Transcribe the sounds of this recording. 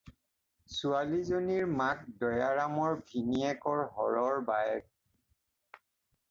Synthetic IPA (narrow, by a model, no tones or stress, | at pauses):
sualizoniɹmak̚dɔjaɹamɔɹbʱiniɛkɔɹɦɔɹɔɹbajɛk̚